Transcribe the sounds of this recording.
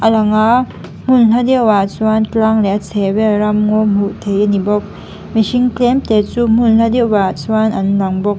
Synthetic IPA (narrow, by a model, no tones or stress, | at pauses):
ɐlaŋa | m̥unladewasuwanklaŋleat͡sʰebeɾamŋomutʰejanibɔk̚ | mesiŋklemtesum̥unladewasuwanɐnlaŋbɔk̚